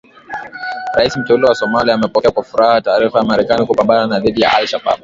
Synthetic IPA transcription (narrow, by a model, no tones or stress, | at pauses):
ɾaiːsm̩tɛuliwasɔmalijamapɔkakʷafuɾaːhataːɾifaamaɾɛkaːnikupambaːnanaðidija̰ʔa̰lʃaba̰b̚